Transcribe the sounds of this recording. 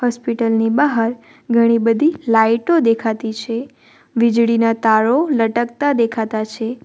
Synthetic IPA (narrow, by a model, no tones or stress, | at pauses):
hɔspiʈəlnibaɦəɾ | ɡʱəɽ̃ibəd̪ʱilaiʈod̪ekʰat̪it͡ʃʰe | ʋid͡ʒɽinat̪aɭoləʈək̚t̪ad̪ekʰat̪at͡ʃʰe